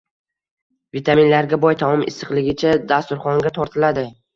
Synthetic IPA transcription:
vit̪ʰaminlaɾɡʲabɒjt̪ʰamɒmɪ̰sɨqlˠɪɡʲɪt͡ʃʰad̪ast̪ʊɾχɒŋɡʲat̪ʰɒɾt̪ʰɪlad̪ɪ

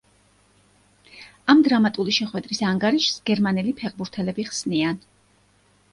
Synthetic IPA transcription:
amd̪ɾamat̪ʼuliʃɛχwɛd̪ɾisaŋɡaɾiʃsɡɛɾmanɛlipʰɛʁbuɾt̪ʰɛlɛbiχsnian

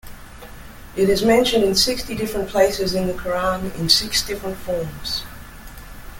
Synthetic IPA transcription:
ɪɾɪzmɛ̃nʃɨ̃ndɨ̃nsɪkstidɪfɹə̃npʰl̥eɪsɪzɨ̃nðəkʰə˞ɑ̃nɪ̰̃nsɪksd̥ɪfɹə̃ntfɔɹmz̥

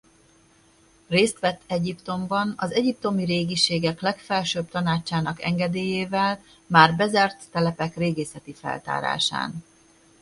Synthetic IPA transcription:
reːst̪ʋɛt̪ːɛɟipt̪o̞mbɒnɒzɛɟip̚t̪o̞miɾeːɡiʃeːɡɛklɛkfɛlʃøːbt̪ɒnaːt͡ʃːaːnɒkɛ̰ŋɡɛd̪eːjeːvɛl | maːrbɛzɛrt̪ːɛlɛpɛkreːɡeːsɛt̪ifɛ̰lt̪a̰ːɾa̰ːʃa̰ːn

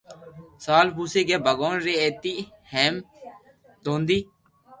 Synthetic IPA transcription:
saːlpuːseːɡeːbəɡoːnɾeːeːt̪i | heːm | d̪õːnd̪iː

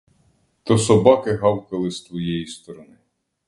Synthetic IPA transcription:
t̪ɔsɔbɑkɪɦɑwkɐlˠɪst̪ʋɔjɛjist̪ɔɾɔnɪ

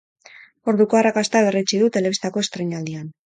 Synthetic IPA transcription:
o̞ɾðuko̞arakast̪aβe̞rit͡ʃiðut̪e̞le̞β̞ist̪ako̞e̞st̪ɾejɲald̪ian

